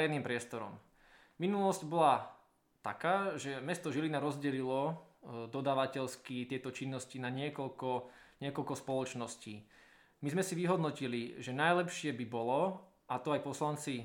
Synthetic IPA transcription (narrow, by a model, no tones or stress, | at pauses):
ɾɛniːmpɾɪɛst̪ɔɾɔ̰m | minulɔscbɔla | t̪a̰kaːʒɛmɛst̪ɔʒilinaɾɔzɟɛlilɔd̪ɔd̪aːʋacɛlskit̪ɪɛt̪ɔt͡ʃinːɔscinaɲɪɛkɔlkɔ | ɲɪɛkɔlkɔspɔlɔt͡ʃnɔsciː | mizmɛsiʋiɦɔd̪nɔciliʒɛnajlɛpʃɪɛbibɔlɔ | ʔat̪ɔajpɔslant͡si